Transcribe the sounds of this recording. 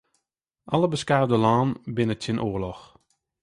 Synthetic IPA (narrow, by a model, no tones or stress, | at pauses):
ʔɑləbəskaːvdəlɑːnbɪnətɪnʔoərlɔx